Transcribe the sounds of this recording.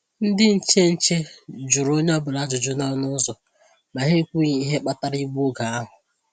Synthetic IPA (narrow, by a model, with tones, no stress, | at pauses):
n̩˦dɪ˦n̩˨t͡ʃe˦n̩˦t͡ʃe˦d͡ʒʊ˨ɾo˦ɲ˦ɔ˦bʊ˨la˨˦d͡ʒʊ˨d͡ʒʊ˦nɔ˦nʊ˦zɔ˨ | ma˨ɦe˦kʷu˦ɲ˨i˦ɦe˦k͡pa˦ta˦ɾi˦ɡ͡bu˦ɡa˨a˦ɦʊ˨